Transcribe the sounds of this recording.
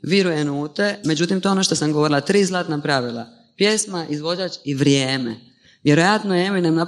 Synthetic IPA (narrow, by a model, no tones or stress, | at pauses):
ʋiɾujenuːt̪e̞me̞d͡ʑut̪imt̪oonoʃt̪o̞samɡoo̞ɾilˠat̪ɾiːzlˠaːt̪napɾaʋilˠa̰ | pje̞smaʔizʋo̞d͡ʒat͡ʃiʋɾjeːmḛ | ʋjeɾo̞jat̪nojemoinemna